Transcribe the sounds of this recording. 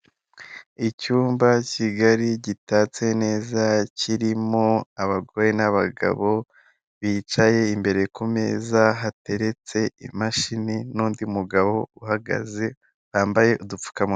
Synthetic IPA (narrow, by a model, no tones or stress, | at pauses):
icuːmbaciɡaɾiɟitaːt͡se̞ne̞ːzaciɾimoaβaɡo̞ːɾenaβaɡa̰βo̞ | βiːt͡ʃaje̞imbe̞ɾe̞kume̞ːzaɦate̞ɾe̞t͡se̞ḭmaʃininuːndimuɡaβo̞uhaɡa̰ze̞ | βaːmbaje̞ʔudup͡fu̥kamu